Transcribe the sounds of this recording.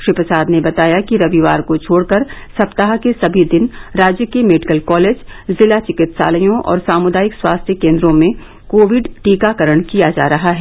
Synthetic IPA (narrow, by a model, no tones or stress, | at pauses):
ʃɾipɾəsaːd̪nebɐt̪aːjakiɾɐʋiʋaːɾkot͡ʃʰoːɽkəɾsɐpt̪aɦkesɐbʱid̪ɪnɾaːd͡ʒjəkemeɖɪkəlkɔːleːd͡ʒzɪlat͡ʃɪkɪt̪sa̰ːləjõʔɔ̰ːɾsaːmʊd̪aːjɪkswa̰ːst̪ʰjəkẽːnd̪ɾõmẽ | koːʋɪɖʈiːkakɐɾəɽ̃kijad͡ʒa̰ːɾɐɦaɦɛ